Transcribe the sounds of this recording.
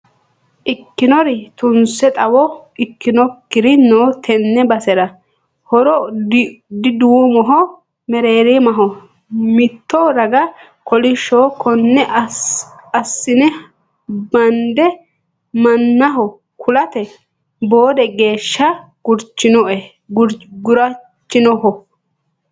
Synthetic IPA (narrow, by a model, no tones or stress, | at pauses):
ʔɪkːɪnɔɾɪt̪ʊnsɛt̪ʼɐwɔɪkːɪnɔkːɪɾɪnoːt̪ʰɛnːɛbɐsɛɾɐ | hɔɾɔ | d̪ɪd̪umɔɦɔ | mɛɾeːɾemɐɦɔ | mɪt̪ːɔɾɐɡɐ | kʰɔlɪʃoːkʰɔnːɛʔ | ɐsːɪnɛ | bɐnd̪ɛ | mɐnːɐɦɔ | kʰʊlɐt̪ɛ | bo̞ːd̪ɛɡe̞ːʃːɐ | ɡ̥ʊɾt͡ʃːɪnɔʔɛ | ɾɡʊɾɐ | t͡ʃːɪnɔhɔ